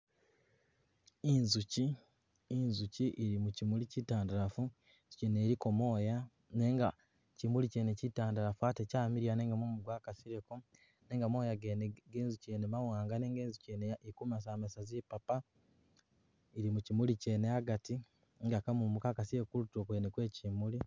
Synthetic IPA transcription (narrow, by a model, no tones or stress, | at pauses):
inzuciː | nzuciʔiɾimucimulicitaːndaɾafu | z̥uceːneɾiko̞mo̞ːja | ne̞ːŋɡa | cimuliceːnecitaːndaɾafuatecaːmiɾjane̞ːŋɡamumuɡwaːkasiɾeko | ne̞ːŋɡamo̞ːjaɡenɡeːnzuceːnemawaːŋɡaneːŋɡeːnzuceneikumas̬aːmesazipapa | iɾimucimuliceneaɡati | ŋɡakamumukaːkasiɾekokuɾutokwenekwe̞ːciːmuli